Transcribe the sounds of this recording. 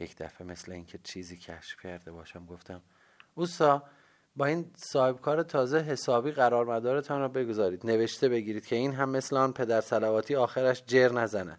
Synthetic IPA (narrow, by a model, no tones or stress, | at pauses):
jecʰd̪̥æ̰feme̞sleiːŋcʰet͡ʃʰiːziːcʰæ̰ʃfcʰæɾd̪e̞bɒːʃæmɡo̞ft̪ʰæm | uːsɒː | bɒːiːnsɒːhe̞b̥kʰɒːɾet̪ʰɒːzeɦe̞sɒːbiːɣæɾɒːɾmæd̪ɒːɾe̞t̪ʰɒːnɾɔbe̞ɡozɒːɾiːd̪̥ne̞ve̞ʃt̪ʰe̞be̞ɟiːɾiːd̪cʰe̞iːnɦæmːe̞sleɒːnpʰe̞d̪æɾsælævɒːt̪ʰiːɒːxeɾæʃd͡ʒeɾnæzænæ̰